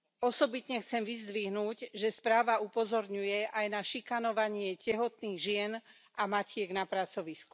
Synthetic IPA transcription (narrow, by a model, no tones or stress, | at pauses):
ɔsɔbit̪ɲɛxt͡sɛmʋizd̪ʋiɦnuːɟʒɛspɾaːʋaupɔzɔɾɲujɛʔajnaʃikanɔʋaɲɪɛcɛɦɔt̪niːɣʒɪɛn | ʔamacɪɛɡnapɾat͡sɔʋisku̥